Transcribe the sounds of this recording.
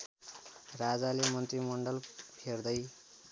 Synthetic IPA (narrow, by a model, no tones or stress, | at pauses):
rad͡zalemʌnt̪rimʌɳɖʌlpʰerd̪ʌj